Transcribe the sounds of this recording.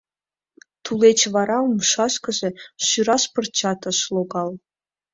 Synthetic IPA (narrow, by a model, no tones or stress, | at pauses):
t̪ʰulet͡ɕvɑɾɑumʃɑʃkɤ̆ʒĕʃyɾɑʃpɤ̆rt͡ɕɑt̪ɤ̆ʃlˠoɡɑlˠ